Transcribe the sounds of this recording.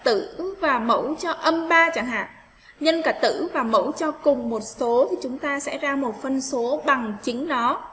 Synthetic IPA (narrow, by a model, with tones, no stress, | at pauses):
t̪ɨ̰˧˩˨vaː˨˩mə̰˧˩wt͡ɕɔ˧ʔə˧mɓaː˧t͡ɕaː˧˩ŋɦa̰ː˧˨ʔ̚ | ɲə˧nka˨˧˩t̪ɨ̰˧˥vaː˨˩mə̰˧˩wt͡ɕɔ˧kʊ˨˩ŋ͡mmo˨˩t̚so˨˦t̪ʰi˨˩t͡ɕʊ˨˦ŋ͡mt̪aː˧sɛ̰˧˥zaː˧mo˨˩t̚fə˧nso˨˦ɓa˨˩ŋt͡ɕï˨˦ŋ̟nɔ˨˦